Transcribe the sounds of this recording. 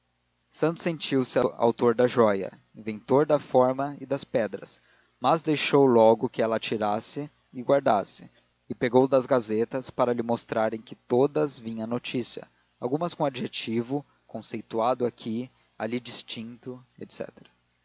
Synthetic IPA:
sɐ̃nt̪ʊsːẽnt͡ʃiwsɪaa̰wt̪oɾd̪ɐʒɔjɐ̰ | ĩvẽnt̪oɾd̪ɐfɔɾmɐɪd̪ɐspɛd̪ɾɐ̰s | mɐzd̪ejʃowlɔɡʊkɪɛlɐat͡ʃiɾasɪ | ɪɡwaɾd̪asɪ̰ | ɪpeɡowd̪ɐzɡazet̪ɐspaɾɐlɪmost̪ɾaɾẽj̃kɪt̪od̪ɐzvĩɲɐ̃not͡ʃisiɐ̰ | awɡũmɐskõad͡ʒiʒet͡ʃivʊ | kõsejt̪uad̪ʊakʰi | alid͡ʒist͡ʃĩnt̪ʊḛt̪sɛ̰t̪eɾɐ

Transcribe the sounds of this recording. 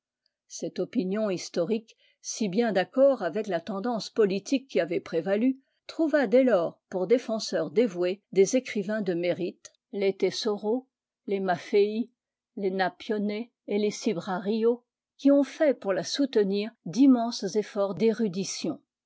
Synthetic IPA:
sɛt̪ɔpinjɔ̃ist̪ɔʁik | sibjɛ̃d̪akɔʁavɛklat̪ɑ̃d̪ɑ̃spɔlit̪ikʲːiavɛpχevaly | t̪χuvad̪ɛlɔːʁpuʁd̪efɑ̃sœʁd̪evwed̪ezekχivɛ̃d̪əmeʁit̪ | let̪esɔʁo | lemafei | lenapjɔneː | lesibʁaʁio | kʲiɔ̃fɛpuʁlasut̪əniːʁd̪imɑ̃szefɔʁd̪eʁyd̪isjɔ̃

